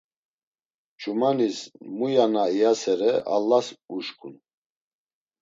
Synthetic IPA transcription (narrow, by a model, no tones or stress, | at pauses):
t͡ʃʼumanismujanaijasɛɾɛʔa̰lːasuʃkʼun